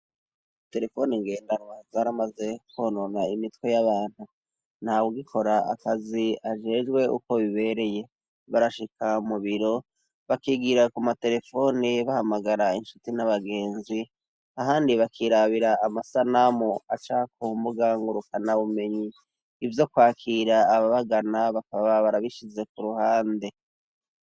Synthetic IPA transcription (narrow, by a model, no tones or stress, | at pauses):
te̞ɾe̞fo̞niŋɡe̞ːndanwazaɾamaze̞koːnonaimitwe̞jaβaːn̥hu | n̥hawuɡikʰo̞ɾaa̰kaziaʒe̞ːd͡ʒɡwe̞ṵko̞βiβe̞ɾe̞je̞ | βaɾaʃikʰamuβiɾo̞ | βakiɡiɾakumate̞ɾe̞fo̞niβahamaɡaɾainʃu̥tinaβaɡe̞ːnzi | aɦaːndiβakʰiɾaβiɾaːmasanamoat͡ʃakumbuɡaːŋɡuɾukanaβume̞ɲiː | vjo̞kwaːkʰiːɾaːβaβaɡanaβakaβaβaβaɾaβiʃize̞kuɾuhaːnde̞